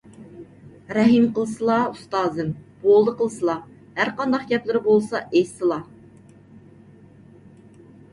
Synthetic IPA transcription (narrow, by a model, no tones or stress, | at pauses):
ɾɛɦɨmqəlˠɨsɨlˠɑust̪ɑːzɨmb̥olˠd̪əqəlˠsɨlˠɑ | hæɾqɑnd̪ɑqɡʲɛplˠɨɾɪbolˠsɑʔejsɨlˠɑ